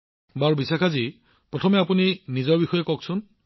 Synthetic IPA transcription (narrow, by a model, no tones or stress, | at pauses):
baɹbisakʰazi | pɹɔtʰɔmɛapuninizɔɹbixɔjekɔksʊn